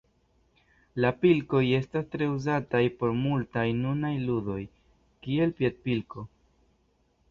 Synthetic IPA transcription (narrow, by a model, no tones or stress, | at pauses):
lapilko̞je̞stastɾe̞uzatajpo̞ɾmultajnunajludo̞j | kie̞lpjet̚pilko̞